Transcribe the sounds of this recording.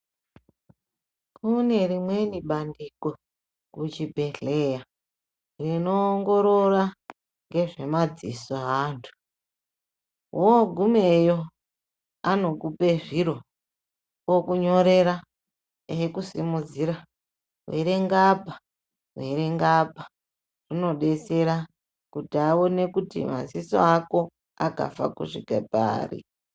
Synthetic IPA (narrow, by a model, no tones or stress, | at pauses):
kʰune̞rimwe̞niɓandiko | kut͡ʃibʱe̞ɬeja | rino̞ːŋɡo̞ɾora | ŋɡe̞ʐe̞mad͡zḭsoɦaːntʰu̥ | ɦoɡʱumejo | ano̞kupe̞ʐiɾo̞ | wokuɲo̞ɾe̞ɾa | eekusḭmud͡ziɾa | wḛɾeŋɡapḁ | ɦweɾeŋɡapḁ | rino̞ɗe̞se̞ɾa | kutiawo̞nekutḭma̰ziso̰ako̞ | aka̰fa̰kṵʂikapa̰ːrḭ